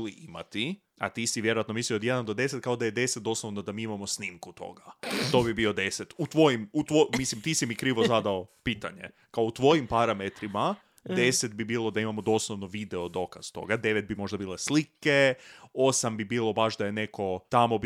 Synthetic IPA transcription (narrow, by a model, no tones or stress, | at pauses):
liʔima̰t̪i | a̰t̪iːsiʋjeɾoat̪no̞miːsio̞d̪jed̪and̪od̪e̞set̪kaod̪aje̞d̪e̞set̪̚d̪o̞slˠoʋnod̪amiːimamo̞sniːmkut̪ʰo̞̰ɡat̪o̞bibio̞d̪e̞set̪ut̪ʋo̞jimut̪ʋomislimt̪iːsimikɾiːʋozad̪aopiːt̪aɲekaout̪ʋo̞jimpaɾamet̪ɾima | d̪e̞se̞t̪̚bibiːlˠo̞d̪aimamo̞d̪o̞slˠoʋnoʋid̪eod̪o̞kaz̥t̪o̞̰ɡad̪e̞ʋet̪̚bimo̞ʒd̪abiːlˠe̞slike̞osambibiːlˠo̞baʃd̪ajene̞ko̞t̪amo̞b